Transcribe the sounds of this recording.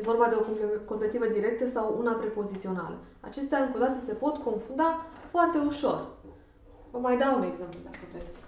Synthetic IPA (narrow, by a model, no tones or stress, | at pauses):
jevo̞rbad̪e̞o̞ko̞mpet̪ivəd̪iɾe̞k̚t̪əsawunapɾe̞po̞zit̪sio̞na̰lə̰ | a̰t͡ʃe̞st̪eaɨŋko̞d̪at̪əse̞po̞t̪ko̞nfund̪afoart̪e̞uʃo̞̰r | vəmajd̪aune̞ɡze̞mplud̪akəvɾe̞t̪sʲ